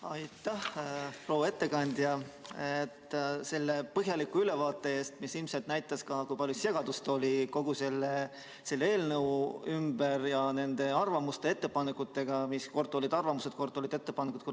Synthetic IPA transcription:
ɑjt̪ːˑæhpro̞ːwːe̞t̪ːe̞kɑnʲd̪jɑet̪ːse̞lːe̞pɤɦjɑlikːuyle̞vɑːt̪ˑːe̞e̞ːst̪misilmselt̪næjt̪ːˑɑskɑkujpɑlʲjuse̞ɡ̥ɑd̪ust̪o̞lʲiko̞ɡ̥use̞lːe | se̞lːe̞ːlnɤwymbe̞ɾjɑne̞nd̪̥e̞ɑrvɑmust̪e̞e̞t̪ːe̞pɑnekːˑut̪ːˑe̞ɡ̥ɑmisko̞rt̪ːˑo̞lʲid̪ɑrvɑmuse̞t̪̚ko̞rt̪ːˑolʲid̪̥e̞t̪ːˑepɑnekut̪̚ko

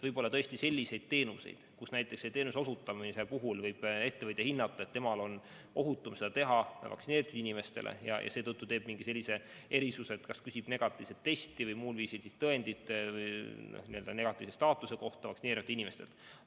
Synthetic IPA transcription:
vɯjbo̞lːɑt̪ɤesʲt̪ise̞lʲːise̞jd̪̥̚t̪e̞ːnuse̞̰jd̪̥kusnæjt̪ːˑeksːet̪eːnuso̞sut̪ːˑɑmise̞puɦulvɤjb̥e̞t̪ːeɤt̪ʲːˑehinːɑt̪ˑːɑet̪ːe̞mɑlo̞n | o̞ɦut̪ːˑumse̞d̥̪ɑt̪e̞ɦɑvɑ̰ksineɾit̪ːˑud̪̥inime̞st̪e̞lʔḛjɑ̰jʔɑ̰se̞ːt̪ɤt̪ːut̪eːb̥miŋɡ̥ise̞lʲːise̞ | e̞ɾisuset̪kɑskysib̥ne̞ɡ̥ɑt̪ːˑi̥ːse̞t̪ːe̞st̪ivɤjmuːlviːsilsist̪ɤe̞nd̪̥it̪ːˑvɤjno̰hniøld̪ɑne̞ɡ̥ɑt̪ːˑivse̞st̪ɑːt̪ːˑuse̞ko̞ht̪ɑvɑksineːɾimɑt̪ːˑinime̞st̪ḛt̪

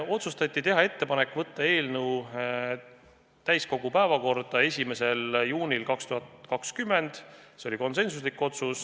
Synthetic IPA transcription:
o̞t̪sust̪ɑt̪ʲːˑit̪e̞ɦɑe̞t̪ːe̞pɑne̞kːˑvɤt̪ːɑe̞ːlnuw | t̪æjsko̞ɡ̥upæevɑko̞rd̪̥ɑe̞sʲime̞se̞ljuːnʲilkɑkst̪uɦɑt̪kɑkskymːe̞nd̪̥seo̞lʲiko̞ns̬e̞nsuslikːˑo̞t̪sus

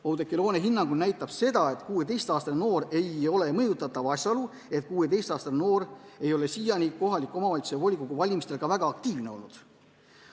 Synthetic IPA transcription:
owd̪ekːˑilo̞ːneɦinːɑŋɡ̥unnæjt̪ːˑɑb̥se̞d̪ɑe̞t̪kuːe̞t̪e̞jst̪ɑːst̪ɑneno̞ːɾe̞jo̞le̞mɤjut̪ːˑɑt̪ːˑɑvɑsʲjɑolu | e̞t̪̚kuːe̞t̪e̞jst̪ɑːst̪ɑneno̞ːɾe̞jo̞le̞sijɑnʲiko̞ɦɑlʲikːˑo̞mɑvɑlʲt̪sevo̞lʲikoɡ̥uvɑlʲimist̪elɡ̥ɑvæɡ̥ɑɑk̚t̪iːvne̞o̞̰lnud̪̥

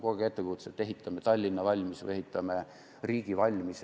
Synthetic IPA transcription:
ko̞ɡeet̪ːˑekut̪set̪ːe̞ɦit̪ʰːˑɑmet̪ɑlʲːinːɑvɑlʲmisɨ̰je̞ɦit̪ːˑɑme | riːɡivɑlʲmis

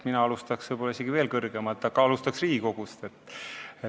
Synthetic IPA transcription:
t̪minɑɑlust̪ɑksvɤjbolːɑis̬e̞ɡ̥ive̞ːlkɤrɡ̥emɑt̪ːˑɑɡ̥ɑɑlust̪ɑksriːko̞ɡ̥ust̪e̞t̪ːe

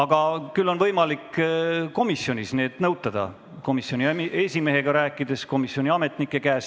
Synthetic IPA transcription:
ɑɡ̥ɑkylːo̞nvɤjmɑlikːko̞misjo̞nʲisne̞ːd̪̥nɤwt̪ːˑɑd̪̥ɑ̰ | ko̞misjo̞nʲie̞sʲime̞ɦe̞ɡ̥ɑɾæːkːˑid̪̥e̞sko̞misˑjo̞nʲiɑme̞t̪ˑnikːˑe̞kæːs

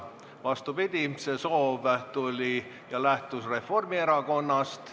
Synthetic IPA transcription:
vɑst̪upid̪̥ʲimse̞so̞ːvt̪ulʲi | jɑlæht̪usre̞fo̞rmie̞ɾɑɡo̞nːɑst̪

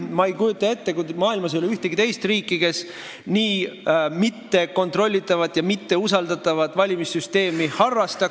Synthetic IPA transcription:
mɑejkujut̪ːˑɑe̞t̪ːe̞kumɑːilmɑs̬eoliyht̪eɡit̪e̞jst̪riːkːˑike̞s | niːmit̪ːe̞ko̞nt̪ro̞lʲːit̪ːˑɑvɑt̪ˑjɑmit̪ːe̞usɑld̪ɑt̪ːˑɑvɑt̪ːˑvɑlʲimisːyst̪e̞ːmihɑrːɑst̪ɑ

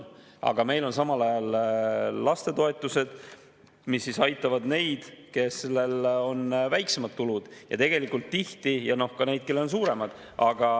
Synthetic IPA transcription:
ɑ̰ɡ̥ɑme̞jlo̞nsɑmɑlɑjɑlː | ɑst̪e̞t̪o̞e̞t̪ːˑuse̞d̪̥ | misːisɑjt̪ːˑɑvɑd̪ne̞jd̪̥ke̞sle̞lo̞nvæjkse̞mɑd̪̚t̪ːulud̪̥jɑ̰t̪e̞ɡ̥e̞likːult̪ːiht̪ijɑno̞hkɑne̞jd̪̥̚ke̞lːeonsuːɾe̞mɑd̪̥ | ʔɑɡ̥ɑ

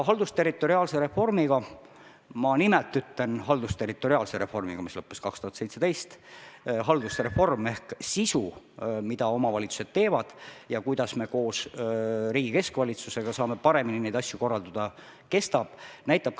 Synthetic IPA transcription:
ɦɑld̪ust̪e̞rit̪ːˑo̞ɾiɑːlse̞ɾe̞fo̞rmiɡɑ | mɑnimelt̪ːˑyt̪ːˑle̞nɦɑld̪ust̪e̞rit̪ːˑo̞ɾiɑːlseɾe̞fo̞rmḭɡɑmislɤpːeskɑkst̪uhɑt̪se̞jt̪se̞t̪e̞jst̪ɦɑld̪usɾe̞fo̞rme̞hksisu | mid̪̥ɑo̞mɑvɑlʲit̪su̥sed̪̥̚t̪e̞ːvɑd̪̥jɑkujd̪̥ɑsme̞ko̞ːs | riːɡ̥ike̞skvɑlʲit̪suse̞ɡ̥ɑsɑːme̞pɑɾe̞mininejd̪ɑsʲjuko̞rːɑld̪ɑd̪ɑ | ke̞st̪ɑb̥næjt̪ːˑɑb̥̚

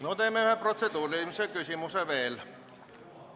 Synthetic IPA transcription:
not̪e̞ːmːeyhepro̞t̪sed̪uːɾimisekysʲimuseve̞ːl

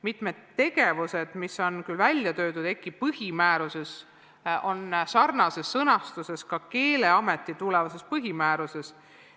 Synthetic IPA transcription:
mit̪me̞d̪̥t̪ːe̞ɡe̞vuse̞d̪̥misːo̞nkylvælʲjɑt̪ø̞ːd̪ud̪e̞kːipɤhimæːɾuse̞s | o̞nsɑrnɑse̞sːɤnɑst̪use̞skɑke̞ːle̞ɑme̞t̪ːˑit̪ulevɑse̞spɤɦimæːɾuse̞s

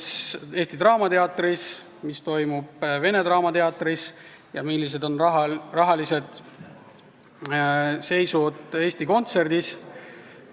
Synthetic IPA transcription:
se̞ːsʲt̪it̪rɑːmɑt̪e̞ɑt̪ːˑris | mist̪o̞jmub̥ve̞ne̞d̪ɾɑːmɑt̪e̞ɑt̪ːˑris | jɑmilːis̬e̞d̪o̞nɦrɑɦɑlise̞d̪̥ | se̞jsud̪̥e̞ːst̪iko̞nt̪se̞rd̪̥is

